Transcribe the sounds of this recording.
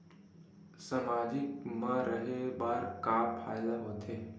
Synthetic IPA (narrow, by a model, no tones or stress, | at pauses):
samad͡ʒik̚mãɾəɦebaːɾkapʰajlaɦot̪ʰe